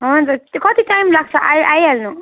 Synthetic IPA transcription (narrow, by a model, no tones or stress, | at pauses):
ɦɔd͡zat̪kʌt̪iʈajmlaɡ̚t͡sʰʌʔajajalnu